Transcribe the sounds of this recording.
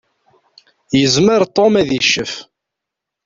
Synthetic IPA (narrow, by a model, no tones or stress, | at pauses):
jəzməɾˤt̪ˤːomæðjəʃːəf